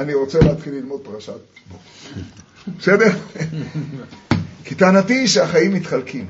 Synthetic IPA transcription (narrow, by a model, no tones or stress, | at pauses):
aniʁo̞t͡seleat̪χilːilmo̞d̪̚paʁaʃat̪̚bok | besed̪e̞ʁ | kit̪aanat̪iʃeaχaimːit̪χalkim